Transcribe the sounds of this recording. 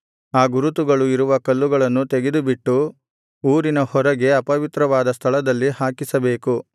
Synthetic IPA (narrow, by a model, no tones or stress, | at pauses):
aːɡuɾut̪̬uɡɐɭuiɾuʋɐkɐlːuɡɐɭɐnːut̪eɡed̪ubiʈːu | uːɾinɐhɔɾɐɡe̞ɐpɐʋit̪ɾɐʋaːd̪ɐst̪ʰɐɭɐd̪ɐlːihaːkisɐbe̞ːku